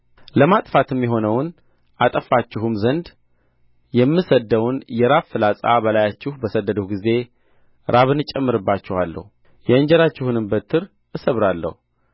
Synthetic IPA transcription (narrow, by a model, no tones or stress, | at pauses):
ləmat̪ʼfat̪ʰɨmːjɛɦo̞nəwn | ʔat̪ʼəfat͡ʃːɪɦumzənd̪ | jɛmːɨsəd̪ːəwnjɛɾaβfɨlasʼa̰bəlajat͡ʃːɪhubəsəd̪ːəd̪əhɡize̞ | ɾaβɨnɨt͡ʃʼːɛmːɨɾɨbːat͡ʃːɪhalːə̰hu | jɛɨɲd͡ʒɛɾat͡ʃːɪhunɨmbət̪ʰːɨɾ | ʔɨsəβɾalːə̰hu